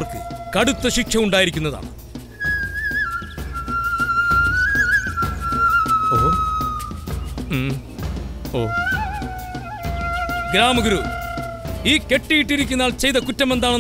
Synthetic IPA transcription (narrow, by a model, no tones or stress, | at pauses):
rkɨkɐɽut̪ːɐɕikʂɐuɳɖaːjiɾikʲːunːɐða̰ːɳɨ̰ | oː | oː | ɡɾaːmɐɡuɾu | iːke̞ʈːijiʈːiɾikʲːunːaːɭt͡ɕe̞jt̪ɐkutːɐme̞nd̪aːɳo